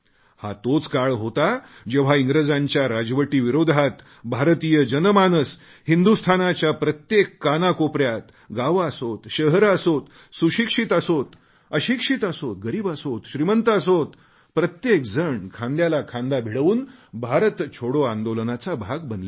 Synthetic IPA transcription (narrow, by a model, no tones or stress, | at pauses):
hat̪ot͡skaɭɦot̪ad͡ʑeʋ̤aiŋɡɾəd͡zãɲt͡ɕjaɾad͡zʋəʈiːʋiɾod̪ʱat̪ | bʱaɾt̪ijəd͡ʑənəmanəs | hind̪ust̪ʰanat͡ɕjapɾət̪jekːanakopɾjat̪ | ɡaʋasot̪ɕəɦəɾasot̪ | suɕikʂit̪əsot̪ | əɕikʂit̪əsot̪̚ɡəɾiːbasot̪ɕɾimənt̪əəsot̪ | pɾət̪jekd͡zəɳkʰãnd̪jalakʰãnd̪abʱiɽəʋuːnbʱaɾət̪t͡ɕʰoɽoãnd̪olənat͡sabʱaɡbənla